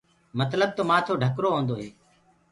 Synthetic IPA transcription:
mət̪ləb̚t̪oːmaːt̪ʰoːɖʱəkɾoːɦõːnd̪oːɦeː

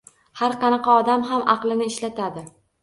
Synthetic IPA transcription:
haɾqɑnɑqɑɒd̪amɦamɑqlˠɪnɪːʃlat̪ʰad̪ɪ

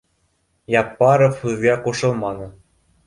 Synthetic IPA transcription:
jɑpːɑɾɤ̆fɯðɣɑkoʃɤ̆lˠmɑnɤ̆

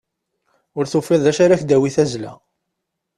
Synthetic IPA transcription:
ʊɾθufːeðˤæʃaɾaçd̪æwiθæzlæ̰

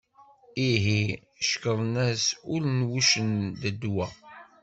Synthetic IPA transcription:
iɦi | ʃkəðˤnæsʊɾnwuʃənd̪əd̪wæ

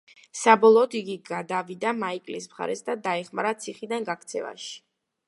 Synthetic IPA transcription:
sabɔlˠɔːd̪iɡiɡad̪avid̪amaikʼlismχa̰ɾɛsd̪ad̪aɛχmaɾat̪sʰiχid̪anɡak̚ʰt̪sʰɛ̰va̰ʃi̥

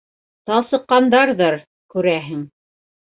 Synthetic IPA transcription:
t̪ɑlˠsɤ̆qːɑnd̪ɑɾðɤɾ | kʉɾæɦɘŋ

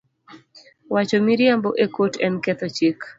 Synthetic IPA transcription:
wat͡ʃomiɾjamboʔekotɛnkɛt̪ot͡ʃik

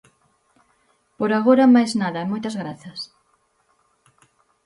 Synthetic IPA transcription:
poɾaɣoɾɐmajznaðɐmojt̪ɐzɣɾaθɐs

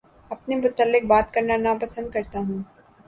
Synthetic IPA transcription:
ɐpnemʊt̪əlːɪk̚baːt̪kɐɾnanapɐsə̃nd̪̚kɐɾt̪aɦũː

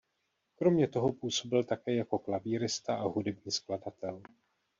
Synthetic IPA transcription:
kɾo̞mɲɛt̪o̞ɦo̞puːso̞bɪlt̪akɛːjako̞klaviːɾɪst̪aʔaɦudɛbɲiːskladat̪ɛl

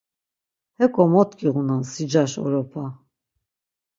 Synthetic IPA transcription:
hɛkʼɔmɔt̪kʰʼiʁunansid͡ʒaʃɔ̰ɾɔpʰa

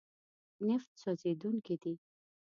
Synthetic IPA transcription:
nɪft̪sɔzed̪uŋkid̪i

